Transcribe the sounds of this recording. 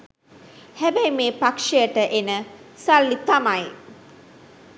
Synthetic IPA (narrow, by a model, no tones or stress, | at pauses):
hæbɛjmeːpakʂejəʈəʔenəsalːit̪amaj